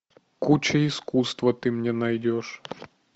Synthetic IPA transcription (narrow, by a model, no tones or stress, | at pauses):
kut͡ɕɛiskust̪ʋɐt̪ɪmnʲɛnɐjdʲɔʂ